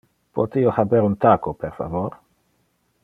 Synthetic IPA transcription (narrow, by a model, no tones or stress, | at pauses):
pʰot̪iohabeɾunt̪akopeɾfa̰voɾ